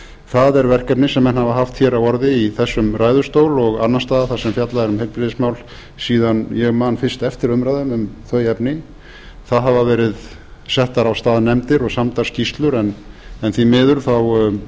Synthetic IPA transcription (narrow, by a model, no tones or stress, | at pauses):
θaðɛɾvɛr̥kɛpnɪsɛmːɛnhavaɦaft̪çɛːɾawɔɾðɪiθɛsːʏmraːjðʏ̥st̪oːwlɔɣanːanst̪aːðaθasɛmfjat̪laðɛɾʏmhelpɾɪðɪsmawl | siːðanjɛɣmaːnfɪr̥st̪ɛft̪ɪɾʏmɾajðʏmʏmθœɥjɛpnɪ | θaðɦavavɛːɾɪð | sɛht̪aɾawst̪aːðnɛmt̪ɪɾɔɣsamt̪ḁscist̪lʏɾɛnɛnθimɪːðʏɾ̥θaw